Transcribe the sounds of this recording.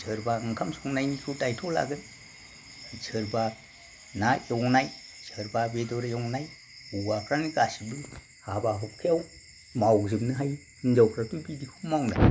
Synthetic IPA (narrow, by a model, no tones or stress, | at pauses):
zəɾbaɯŋkʰamsɔŋnajnikʰutajtʰɔla̰ɡɯn | zɯɾba | najɔwnaj | zəɾbabedɔɾjɔwŋnaj | uwakʰɾaniɡasidu | habaɦɔp̚kʰijaw | mawzɯmnɯɦaj | ind͡ʒawkʰɾatubidikʰumawna̰j